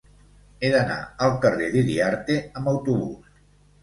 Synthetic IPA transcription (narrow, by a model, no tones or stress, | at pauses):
eðəna̰əlˠkəreðiðiaɾt̪eəməwt̪uβṵs